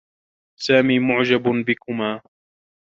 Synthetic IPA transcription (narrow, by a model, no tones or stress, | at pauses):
saːmiːmʊʕd͡ʒabbɪkʊmaː